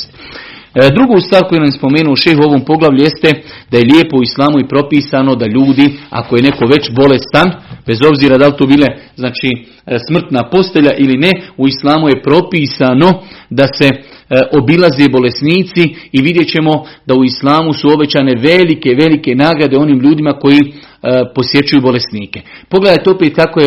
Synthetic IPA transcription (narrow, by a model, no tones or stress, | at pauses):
st̪ | d̪ɾuɡost̪ʋaːɾko̞jenamjspo̞me̞ːnuoʃe̞jxuo̞ʋompo̞ɡlaʋlʲʎuje̞st̪ed̪̥ajeʎʲjeːpo̞uislˠaːmuipɾo̞piːsano̞d̪aʎuːd̪ia̰ko̞je̞ne̞ko̞ʋe̞t͡ɕbo̞le̞st̪anbe̞zo̞bziːɾad̪alt̪oːbiːleznaːt͡ʃiː | smr̩t̪napo̞st̪e̞ʎaʔiline̞uislˠaːmuje̞pɾo̞piːsano̞d̪ase̞ʔo̞bilˠaze̞bo̞le̞sniːt̪siiʋid̪je̞t͡ɕe̞mo̞d̪auislˠaːmusuo̞be̞t͡ɕaːne̞ʋe̞like̞ʋe̞like̞naːɡɾad̪e̞o̞niːmʎuːd̪imako̞ji | po̞sje̞t͡ʃujuːbo̞le̞sniːke̞̥po̞ɡle̞d̪ajt̪eopeːt̪̚kako̞je